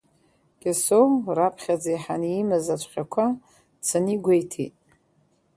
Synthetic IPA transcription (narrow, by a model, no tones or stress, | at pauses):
ɡ̥ʲasowmrapʰχʲad͡zajħaniːmazat͡ʃʷʰʼχʲakʷʰa | t͡sʰaniɡʷajtʰḭtʼ